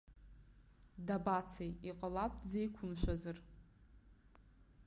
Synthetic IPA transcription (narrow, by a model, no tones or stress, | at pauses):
dabat͡sʰejiqʼəlap̚ʰʼzejkʷʰʊmʃʷᶣazɨr